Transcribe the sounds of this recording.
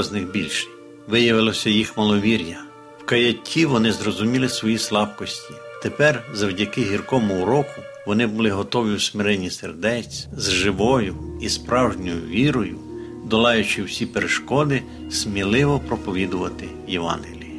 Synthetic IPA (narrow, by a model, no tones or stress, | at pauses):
znɪxbʲilʲʃ | ʋɪjɐʋɪlˠɔsʲɐjixmɐlˠɔʋʲiɾʲjɐ | wkɐjɐtʲʰːiʋɔnɪzɾɔzʊmʲilˠɪsʋɔjislˠɑbkɔsʲtʲi̥t̪epɛrzɐwdʲɐkɪɦirkɔmʊuɾɔkʊ | ʋɔnɪbʊlˠɪɦɔt̪ɔʋʲiwsmɪɾɛnʲːiserd̪ɛt͡sʲzʒɪʋɔjʊispɾɑwʒnʲɔjʊʋʲiɾɔjʊ | d̪ɔlˠɑjʊt͡ʃɪwsʲipeɾeʃkɔd̪ɪ | smʲilˠɪʋɔpɾɔpɔʋʲid̪ʊʋɐt̪ɪ | jɛʋɑ̰nɦelʲi